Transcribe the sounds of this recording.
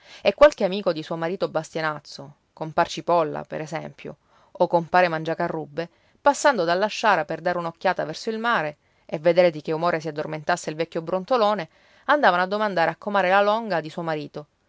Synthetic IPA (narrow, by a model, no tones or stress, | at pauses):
ekːwalk̟eamiːkod̪isuomaɾiːt̪obast̪janat̪sːo | kompart͡ʃipɔlːa̰pḛɾesɛmpjo̰ | okːompaːɾemand͡ʒakarːubːe | pasːand̪od̪alːaʃːaːɾaperd̪aɾeunokːjaːt̪avɛrsoilmaːɾe | evːed̪eːɾed̪ik̟eumoːɾes̬iad̪ːorment̪asːeilvɛkʲːjobɾont̪oloːne | and̪aːvanoad̪ːomand̪aːɾeakːomaːɾelalɔŋɡad̪isuomaɾiːt̪o